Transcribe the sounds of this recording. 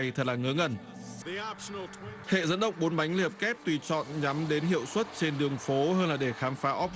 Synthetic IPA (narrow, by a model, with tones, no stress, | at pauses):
jt̪ʰə˨˩t̚laː˨˩ŋɨ˨˦ŋə˨˩n | iɔpʃnlˠtʰhḛ˧˨zə̰˧˥nɗə̰˧˨wŋ͡m̚ɓo˨˦nɓa˨˦jŋ̟li˧˩ə˩p̚kɛ˦˥p̚t̪wi˧˩t͡ɕɔ̰˧˨nɲa˨˦mɗe˨˦nɦḭ˧˨əwswə˦˥t̚t͡ɕe˧nɗɨ˨˩əŋfo˨˦həː˧nlaː˨˩ɗe˧˩xaː˨˦mfaː˨˦ʔɔ˦˥p̚